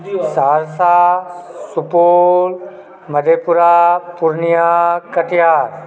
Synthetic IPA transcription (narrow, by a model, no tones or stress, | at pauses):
saːɾsa | supoːl | mɐd̪ʱepuɾapuɾnijakɐʈjaːɾ